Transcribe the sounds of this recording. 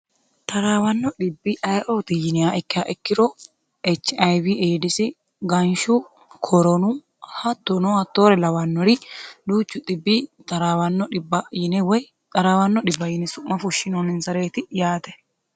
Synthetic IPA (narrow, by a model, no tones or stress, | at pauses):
t̪ɐɾaːwɐnːɔᶑɪbːɪʔɐjʔoːt̪ɪjɪnɪaʔɛkːɪjaːʔɛkːɪɾɔ | ɛt͡ʃːɪɐjbiʔeːd̪ɪsɪ | ɡɐnʃu | kʰɔɾɔnu | hɐt̪ːɔnɔɐt̪ːoːɾɛlɐwɐnːɔɾɪd̪uːt͡ʃːʊd̪ɪbːit̪ɐɾawɐnːɔɪbɐjɪnɛwɔj | ɐɾaːwɐnːɔɗɪbːɐjɪnɪsʊmːɐfʊʃːɪnɔnɪnsɐɾeːt̪ɪjaːt̪ɛ